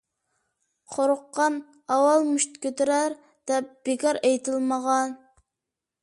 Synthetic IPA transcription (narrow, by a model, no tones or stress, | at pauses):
qʰoɾʊqːɑn | ɑwɑlˠmuʃt̪kʲøt̪ɪɾæɾ | d̪̥ɛp̚b̥ekɑɾejt̪ʰɨlˠməʁɑn